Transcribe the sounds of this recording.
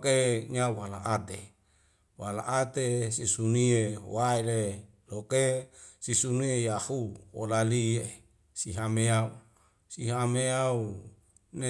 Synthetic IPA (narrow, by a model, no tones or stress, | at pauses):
keɲauwala̰ʔat̪e | wala̰ʔat̪esisuniewaele | lokesisuniejahuwo̰lalie | siɦameau | siɦameau | ne